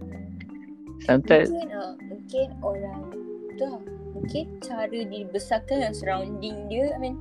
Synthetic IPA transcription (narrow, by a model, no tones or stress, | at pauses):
samt̪ãənamuŋkɪnoɾaŋt̪ɔmuŋkɪnt͡ʃaɾədibəsakanaŋsəɾãwndiŋdiəamĩn